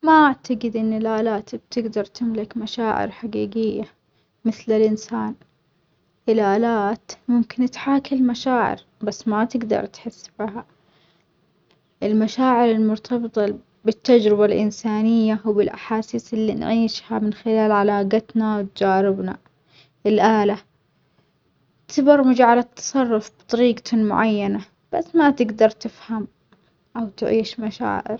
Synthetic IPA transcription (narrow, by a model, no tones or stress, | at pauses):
maʔaʕt̪aɡɪd̪ʔɪnːɪlʔaːlaːt̪b̚t̪ɪɡd̪ɑɾˤt̪ɪmlɪkmaʃaːʕɪ̰ɾħaɡiːɡɪjːa | mɪθlɪlʔɪnsaːn | ʔɪlʔaːlaːt̪mʊmkɪnt̪ħaːkɪlmaʃaːʕɪ̰ɾ | basːmat̪ɪɡd̪ɑ̰ɾˤt̪ħɪsːbiha | ʔɪlmaʃaːʕɪɾɪlmʊɾt̪ʰɑbɨt̪ˤɑ | bɪt̪ːad͡ʒɾɪbalʔɪnsaːnɪjːawbɪlʔa̰ħaːsiːsɪlːḭnʕiːʃhamɪnxɪlaːlʕalaːɡat̪nawt̪d͡ʒaːɾɪbna | ɪlʔaːla | t̪ɪbɑɾˤmʊd͡ʒʕalat̪ʰːɑ̥sˤɑrˤːʊfb̥t̪ˤɑɾiːɡt̪mʊ̰ʕajːana | b̥asːmat̪ɪɡd̪ɑɾˤt̪ɪfham | ʔawt̪ʕiːʃmaʃa̰ːʕɪ̰ɾ